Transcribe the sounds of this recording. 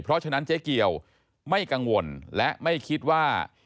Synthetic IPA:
pʰɾɔ˦˥ʔt͡ɕʰa˧na˦˥nt͡ɕe˦˥ki˧əw | ma˥˩jka˧ŋwo˧nlɛ˦˥ʔma˥˩jkʰi˦˥t̪̚waː˥˩

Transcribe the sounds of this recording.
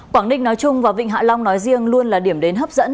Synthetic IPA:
kwaː˧˩ŋnï˧ŋnɔ˨˦jt͡ɕʊ˧ŋ͡mvaː˨˩vḭ˧˨ŋ̟ɦa̰ː˧˨la˧wŋ͡mnɔ˨˦jzi˧əŋlu˧ənlaː˨˩ɗi˧˩əmɗe˨˦nɦəː˦˥p̚zə̰˧˥n

